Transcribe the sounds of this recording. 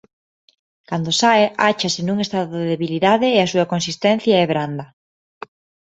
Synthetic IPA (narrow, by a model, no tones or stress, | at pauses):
kand̪osaɪʔat͡ʃasenuŋest̪aðoðeðeβiliðaðɪːasuɐkonsist̪ɛ̃n̟θjaɛβɾand̪ɐ